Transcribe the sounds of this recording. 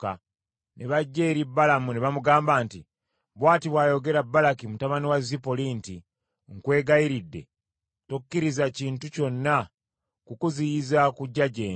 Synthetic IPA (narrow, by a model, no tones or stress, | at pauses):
ka | nʔeβaɟːeːɾibːalamuneβamuɡaːmbaːnti | βwaːtiβwaːjo̞ɡe̞ɾabːalakimutaβaniwazipoliːnti | ŋkwe̞ːɡaiɾidːe̞̰ | tokːiɾizaciːntuco̞nːa | kukuzijizakuɟːaɟeː